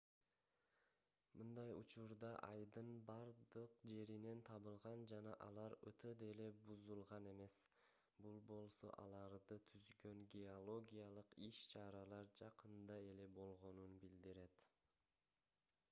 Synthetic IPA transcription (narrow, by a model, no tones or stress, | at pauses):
mɯnd̪ɑjṵt͡ʃuɾd̪ɑʔɑjd̪ɯnbɑɾd̪ɯqd͡ʒe̞ɾine̞nt̪ʰɑβɯlˠʁɑnd͡ʒɑnɑ̰ʔɑlˠɑɾø̰t̪ʰød̪ele̞buzulˠʁɑne̞me̞s | bulˠbo̞lˠso̞̰ʔɑ̰lˠɑɾd̪ɯt̪ʰyzɡø̞ŋɡʲeolˠo̞ɡʲijalˠɯqiʃt͡ʃʰɑɾɑlˠɑɾd͡ʒɑqɯnd̪ɑe̞le̞bo̞lˠʁo̞nunbild̪iɾe̞t̪